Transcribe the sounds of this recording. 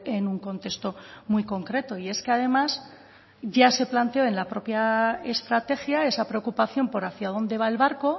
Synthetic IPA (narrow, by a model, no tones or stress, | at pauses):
e̞nuŋko̞nt̪e̞kst̪o̞mwiko̞ŋkɾe̞t̪o̞ie̞ske̞að̞e̞mas | ʝase̞plant̪eoe̞nlapɾo̞pjae̞st̪ɾat̪e̞xjae̞sapɾe̞o̞kupaθjo̞mpo̞ɾaθjað̞o̞nd̪e̞β̞ae̞lβaɾko̞